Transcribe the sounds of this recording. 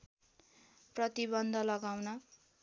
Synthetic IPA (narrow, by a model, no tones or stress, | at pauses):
prʌt̪ibʌnd̪ʱʌlʌɡawnʌ